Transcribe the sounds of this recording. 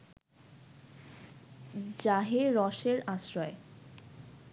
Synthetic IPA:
d͡ʑaɦeɾɔʃeɾaʃɾɔe

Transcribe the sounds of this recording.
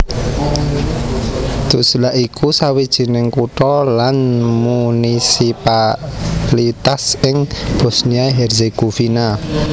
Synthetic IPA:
d̪̥ṳslaʔikʰusawid̥ʒ̥i̤nɪŋkuʈɔlanmunisipa | lit̪asɪŋb̥ɔ̤sniaiɦɛrzeɡ̥ofina

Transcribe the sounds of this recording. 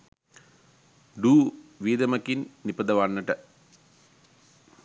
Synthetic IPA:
ɖuːʋiːd̪ɐmɐkinːipɐd̪ɐʋanːəʈə

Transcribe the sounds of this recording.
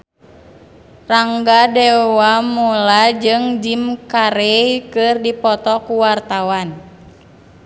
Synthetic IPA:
raŋɡadɛwamulad͡ʒɨŋd͡ʒimkaɾɛkɨrdipɔt̪ɔkuwart̪awan

